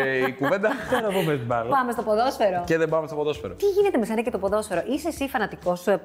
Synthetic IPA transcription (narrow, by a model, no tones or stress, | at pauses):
ikuve̞nd̪ɐenɐpomest̪ibɐlopɐme̞st̪opoðo̞sfeɾoceðembɐmest̪opoðo̞sfeɾot̪iʝinet̪eme̞senɐcet̪o̞po̞ðo̞sfeɾoʔisesifɐnɐt̪iko̞sue